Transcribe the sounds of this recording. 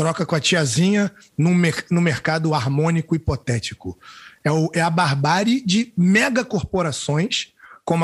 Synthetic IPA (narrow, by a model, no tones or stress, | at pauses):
t̪ɾɔkɐkõɐt͡ʃiazĩɲɐ | nʊ̃menʊmeɾkad̪ʊaɾmõnikʊipɔt̪ɛt͡ʃikʊɛʊɛɐbaɦbaɾɪd͡ʒɪmɛɡɐkoɾpoɾasõj̃skõm